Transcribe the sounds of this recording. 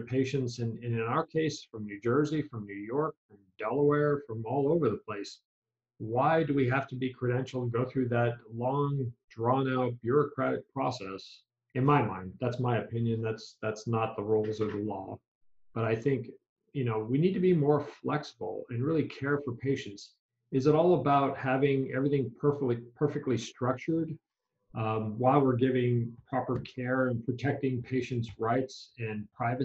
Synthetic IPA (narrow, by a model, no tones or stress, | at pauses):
pʰeɪʃɨ̃ntsɨ̃nɪ̃nɨ̃aʊə˞kʰeɪsfɹʌ̃mnʉd͡ʒɜ˞zifɹʌ̃mnʉjɔɹkfɹʌ̃mdɛlˠəwɛɹfɹʌ̃mɔlˠoʊvə˞ðəpʰl̥eɪs | waɪdɨwiɦæftɨbikʰɹ̥ɨɾɛ̃nʃl̩ˠtʰəɡoʊθɹʉðɨt̚lɔ̃ŋdɹɑ̃nob̥jʊɹɨkʰɹ̥æɾɨk̚pʰɹ̥ɔsɛs | ɨ̃nmaɪmã̰ɪ̃nd̪̚ðætsmaɪɨpʰɪ̃njɨ̃nðætsðætsnət̪̚ðəɹoʊlˠzʌvðəlɔ̰ | b̥ʌɾaɪθɪ̃ŋk | jɨnoʊwinid̚tɨbimɔɹflɛksəbl̩ˠɨ̃nɹɪlˠikʰɛɹfə˞pʰeɪʃɨ̃nts | ɨzəɾɔlˠəbaʊt̚hævɪ̃ŋɛ̰vɹiθɪ̃ŋpʰɜ˞fk̚lipʰɜ˞fɨk̚tˡlistɹ̥ʌk̚t͡ʃə˞d̚ | waɪlˠwɪɹɡɪvɪ̃ŋpʰɹ̥ɑpə˞kʰɛɹɨ̃npʰɹ̥ɨtʰɛk̚tɪ̃ŋpʰeɪʃɨ̃ntsɹaɪtsɨ̃npʰɹ̥aɪvɨ